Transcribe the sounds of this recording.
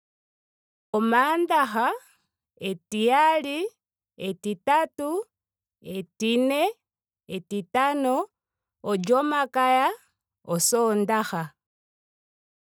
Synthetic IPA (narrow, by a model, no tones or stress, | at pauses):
omaːndaxa | etiali | etitatu | etine | etitanoː | d͡ʒomakaja | osondaxa